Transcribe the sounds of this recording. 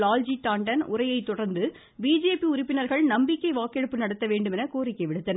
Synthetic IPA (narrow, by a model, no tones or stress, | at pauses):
laːld͡ʒiʈ̪aːɳɖɐnʔʊrɐjɐɪt̪ːɔɽɐɾnd̪ɯ | biːd͡ʒeːpiʊɾɪpːɪnɐɾɣɐɭnɐmbɪkʲːɐɪʋaːkɛɽɯpːɯnɐɽɐt̪ːɐʋeːɳɖɯmɛnɐkoːrɪkːɐɪʋɪɽɯt̪ːɐnɐ